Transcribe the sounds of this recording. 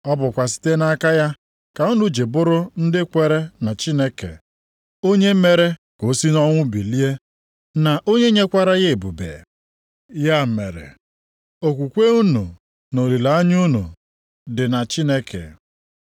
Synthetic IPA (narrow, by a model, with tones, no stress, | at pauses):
ɔ˦bʊ˨kʷa˨s̬i̥˦te˦na˦ka˦ja˦ | ka˨u˦nu˨d͡ʒe˨bʊ˦ɾʊ˦n̩˦dɪ˦kʷe˨ɾe˦na˨t͡ʃi˦ne˦kḛ˨ | o˦ɲe˦m̩˦me˦ɾe˦ | ko˨˦si˦nɔ˦ŋʷʊ˦bi˨li˦e˦ | na˨ʔo˦ɲe˦ɲe˦kʷa˦ɾa˦ɣe˦e˨bṵ˨bḛ˨ | ja˦m̩˨me˨ɾḛ˨ | o˨kʷu˨kʷe˦u˦nṵ˨ | no˨li˨la˨a˦ɲu˦nṵ˨ | dɪ˨na˨t͡ʃi˦ne˦kḛ˨